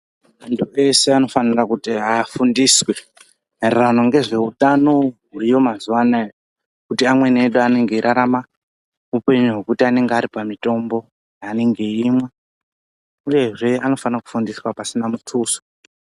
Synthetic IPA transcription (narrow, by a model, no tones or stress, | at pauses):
antʰue̞se̞ano̞fanirakutiafundiswe̞ | rrano̞ŋɡe̞ʐe̞utano̞ɦurijo̞mazuwanajo | kutiamwe̞neɗuane̞ŋɡe̞iɾʔaɾama | upe̞ɲuɦwe̞kutiane̞ŋɡeaɾipamito̞mbo̞ | jaːne̞ŋɡe̞imwa | uje̞ʐe̞ano̞fanaku̥fundiswapasinamutʰuːso̥